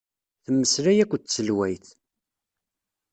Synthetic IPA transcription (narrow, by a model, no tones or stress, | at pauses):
θəmːəslæjækʷːt͡sːəlwæjθ